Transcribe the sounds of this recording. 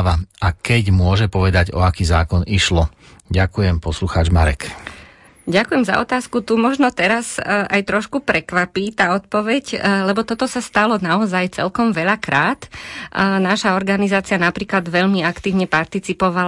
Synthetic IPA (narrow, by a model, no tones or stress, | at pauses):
ʋaakɛɟmʊɔʒɛpɔʋɛd̪aɟɔ̰akiːzaːkɔniʃlɔ | ɟakujɛmpɔsluxaːd͡ʒmaɾɛ̰k | ɟakujɛmza̰ɔ̰t̪aːskut̪umɔʒnɔt̪ɛɾasajt̪ɾɔʃkupɾɛkʋapiːt̪aːɔt̪̚pɔʋɛɟlɛbɔt̪ɔt̪ɔsast̪alɔnaɔzajt͡sɛ̰lkɔmʋɛʎakɾaːt̪ | naʃaɔɾɡanizaːt͡sɪanapɾiːklad̪ʋɛʎmiakt̪iːʊɲɛpaɾt̪it͡sipɔʋal